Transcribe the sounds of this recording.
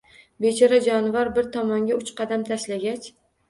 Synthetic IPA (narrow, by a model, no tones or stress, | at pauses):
bet͡ʃʰɒɾad͡ʒɒnvaɾbɪɾt̪ʰɒmɒŋɡʲaʊt͡ʃqʰɑd̪amt̪ʰaʃlaɡʲat͡ʃ